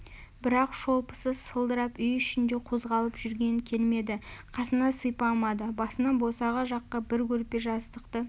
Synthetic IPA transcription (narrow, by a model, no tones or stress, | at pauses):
bɪɾɑqʃo̞lˠpə̥səsəlˠd̪əɾɑpʏjʏʃɪnd̪e̞qʰo̞zʁɑlˠəpʒʏɾɡʲe̞nɪŋkʲʰe̞lme̞d̪ɪqʰɑsənɑsəjpɑlˠmɑd̪əbɑsənɑnbo̞sɑʁɑʒɑqːɑbɪɾkʲʰɵɾpe̞ʒɑst̪əqt̪ə